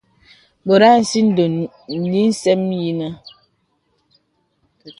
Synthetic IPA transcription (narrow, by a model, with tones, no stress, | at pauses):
bo˨ɾa˦n̩˨si˦n̩˦do˨ | n̩˨li˦n̩˦sɛ˦m˦ji˦nə˦